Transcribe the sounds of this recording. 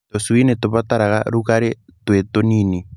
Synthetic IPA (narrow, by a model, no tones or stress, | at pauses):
toswinet̪oβat̪aɾaɣa̰ɾuɣaɾetwetonini